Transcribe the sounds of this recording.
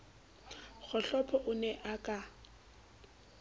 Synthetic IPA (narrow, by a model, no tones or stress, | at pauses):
ɣʊɬɔpʰɔʔʊnɛʔakʼa